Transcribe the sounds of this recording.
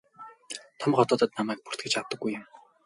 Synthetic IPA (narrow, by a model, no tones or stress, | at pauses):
t̪ʰɔmχɔt̪ɔːt̪ə̆t̪namæːk̚pu̥r̥t̪̚ɡĕ̥t͡ɕaw̚t̪ːə̆ɡːujʊ̆m